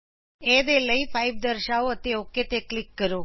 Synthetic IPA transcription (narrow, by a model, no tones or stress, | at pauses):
ed̪eləifʰaiʋd̪əɾʃaoət̪eoket̪eklɪkːəɾo